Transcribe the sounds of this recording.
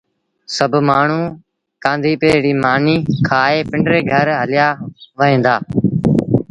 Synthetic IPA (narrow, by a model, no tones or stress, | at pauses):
səbʱmaːɳ̤ũː | kãːnd̪ʱiːpeːɽiːmaːniːkʰaːeːpɪ̃ɳɖɾeːɡʱəɾɦəlɪjaːʋəɦẽːnd̪aː